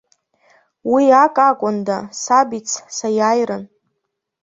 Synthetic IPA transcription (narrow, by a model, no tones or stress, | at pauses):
wiakʼakʷʼʊndasabit͡sʰsajajrɨn